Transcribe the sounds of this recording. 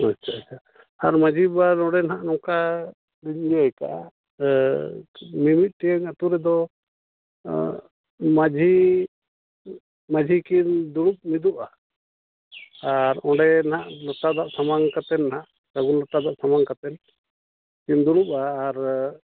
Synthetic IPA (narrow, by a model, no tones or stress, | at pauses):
at͡ʃʰːaat͡ʃʰa | aɾmad͡ʒʱibanɔɽɛnɦaʔnɔŋka | liɲd͡ʒɔɛka̰ʔa̰ | mimit̪̚ˀʈiaŋat̪uɾɛd̪ɔ | mad͡ʒʱi | mad͡ʒʱikind̪uɽup̚mid̪upa | aɾɔ̃ɽɛnaʔlɔt̪ad̪aʔsamaŋkat̪ɛnːɦaʔ | saɡunlɔʈad̪aʔsamaŋkat̪ɛn | kind̪uɽup̚aːɾ